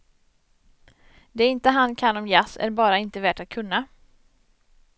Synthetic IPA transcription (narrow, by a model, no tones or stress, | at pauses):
d̪ɛɪnt̪əɦankʰanːɔmjasæ̰ɾbɑːɾaɪnt̪əvæːʈat̪̚kʰɵnːa